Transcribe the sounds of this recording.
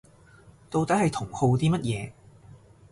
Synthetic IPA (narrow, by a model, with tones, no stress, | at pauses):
t̪o˧wt̪ɐ˨˥hɐ˨jt̪ʰʊ˨˩ŋho˨˧wt̪iː˥mɐ˥t̚jɛː˨˧